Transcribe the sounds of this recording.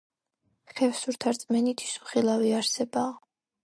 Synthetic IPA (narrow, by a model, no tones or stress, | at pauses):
χɛfsuɾt̪ʰaɾt̪sʼmɛnit̪ʰi̥su̥χilˠaviaɾsɛbaː